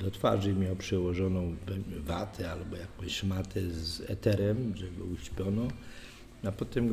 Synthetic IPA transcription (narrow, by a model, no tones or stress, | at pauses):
d̪ɔt̪fa̰ʐɘmʲɔpʂɛwɔʐɔnɔ̃w̃vɛvat̪ʰɛalbɔjakɔ̃w̃ɕmat̪ʰɛzɛ̰t̪ɛɾɛmʐɛɡɔuɕpʲjɔnɔ | apɔt̪ɛm